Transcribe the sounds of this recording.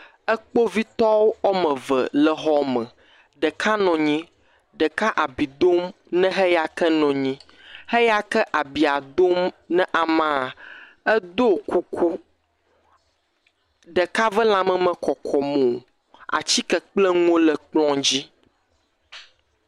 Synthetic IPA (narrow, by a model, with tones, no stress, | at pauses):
ɛ˦k͡po˦vi˦t̪ɔ˦wo˦ɔ˦mɛ̃˨və̰˨lə˨ɦɔ˦mɛ̃˨ | ɖə˨kʰa˦nɔ̃˨ɲĩ˦ | ɖə˨ka˦ʔa˨bi˨d̪o˦m | nɛ̃˦ɦɛ˦ja˨kɛ˦nɔ̃˨ɲĩ˦ | hɛ˦ja˦kɛ˦ʔa˨bi˨a˨d̪o˦mnɛ̃˦ʔa˨mã˦˨ | ɛ˦d̪o˦˨kʰo˦kʰo˦ | ɖɛ˨ka˦və˦lã˨mɛ̃˨mə̃˨kɔ˨kʰɔ˨mõ˨ | a̰˨t͡ɕi˦kɛ˨k͡plɛ˦ŋõ˦lə˨k͡plɔ̃˦d͡ʑi˦